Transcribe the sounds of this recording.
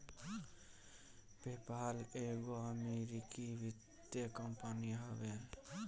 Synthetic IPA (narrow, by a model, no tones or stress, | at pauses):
bepaleɡoameɾikibid̪ | jəkəmpaniɦɔben